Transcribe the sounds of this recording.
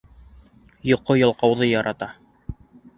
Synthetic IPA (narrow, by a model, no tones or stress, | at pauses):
jŏqːojɑ̆lˠqɑwðɤjɑɾʔɑt̪ɑ